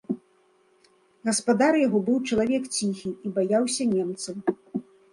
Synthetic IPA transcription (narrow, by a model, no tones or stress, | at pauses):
ɣɐspad̪aɾjaɣɔbɨwt͡ʂɐlˠavʲɛkt͡sʲixʲiibajawsʲɐnʲɛmt̪sɐw